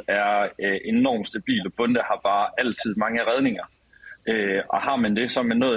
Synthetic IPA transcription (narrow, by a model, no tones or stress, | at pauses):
æɐʔenɒ̰ːmsd̥æb̥ḭːlɒb̥ɔ̽nd̥əhɑ̈b̥ɑ̈ːæl̰t͡sʰið̞̰ˠmɑ̈ŋəʁɛð̞ˠne̝ŋɐ | øʔɒ̽hɑ̈mænd̥e̝sɒ̽mænːɔ̽ː